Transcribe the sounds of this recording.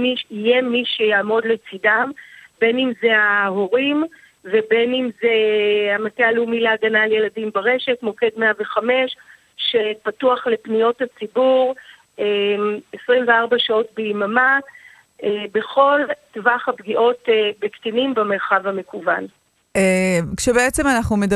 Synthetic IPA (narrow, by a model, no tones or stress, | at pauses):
iʃijemiʃejaːmo̞dlet͡sidambe̞nimzeaɦoʁim | vebe̞nimzeamatealumileaɡanalje̞ladimbaʁe̞ʃe̞tmo̞ke̞dmeaveχame̞ʃ | ʃepatuaχle̞pnijo̞that͡sibuʁ | emesʁimveaʁbaʃao̞tbeimama | ebe̞χo̞ltvaχabɡiʔo̞tebektinimbeme̞ʁχavhame̞kuvan | ekʃebeet͡semanaχnumed